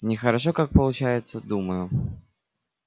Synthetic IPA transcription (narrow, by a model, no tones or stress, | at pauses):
nʲɪxɐɾaʂɔkak̚pɐlˠʊt͡ɕajɪt̪sːəd̪uməjʊ